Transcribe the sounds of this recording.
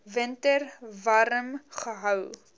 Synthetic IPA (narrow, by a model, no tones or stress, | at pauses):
vəntərvɐɾəmχəɦœw